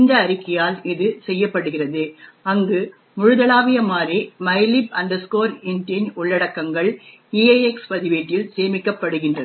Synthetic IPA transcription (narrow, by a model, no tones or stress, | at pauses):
ɪnd̪ɐːɾɪkːɐjaːlɪðɯsɛjːɐpːɐɽɯɣɪrɐðɯɐŋɡɯ | mʊɻʊðɐɭaːʋɪjɐmaːɾimɐɪlɪbɐnd̪ɐskoːɾɪndɐɲʊɭːɐɽɐkːɐŋɡɐɭ | iːɐɛkspɐðɪʋeʈːɪlseːmɪkːɐpːɐɽɯɣɪndrɐn